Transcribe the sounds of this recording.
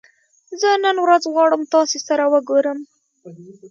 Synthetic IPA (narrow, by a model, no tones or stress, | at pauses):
zənənwɾazɣwɑɽəmt̪ɑsesaɾawəɡoɾəm